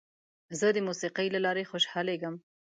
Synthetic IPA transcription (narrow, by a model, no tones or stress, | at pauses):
zəd̪əmusiqəjlalɑɾexoʃhɑleɡəm